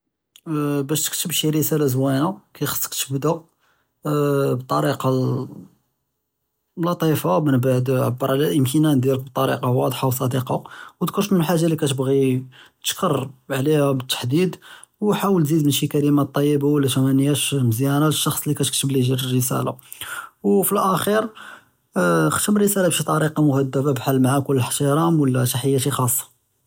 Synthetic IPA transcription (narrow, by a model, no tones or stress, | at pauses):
bæʃt̪ə̥kt̪əbʃirəsælazwænakæjxə̥sˤːə̥kt̪bd̪æ | bət̪ˤːɑɾiqɑ | lɑt̪ˤifamənbaʕd̪ʕabːəɾˤʕlæʔəmkənænd̪jilək̚b̚t̪ˤːɑɾḭqɑwɑd̪ˤħaws̬ˤɑd̪iqɑwd̪kʊɾʃmənəlħaʒːalikæt̪əbɣit̪ə̥ʃkərˤʕlihæbət̪ːḁħd̪id̪ | wħawəlzid̪mənʃikælimat̪ˤːɑjːəbawəlːæʃæmænjæʃməzjænaləʃːɑxsˤlikæt̪k̚t̪əbliʒiɾərːəsæ̰la̰ | wfilʔæxiɾ | xt̪əmərːəsælabʃit̪ˤɑɾiqɑmʊhæd̪ːababħalːmaʕakʊlːħt̪iɾˤɑmwəlːæʃaħəjːaʃixɑsˤːɑ̥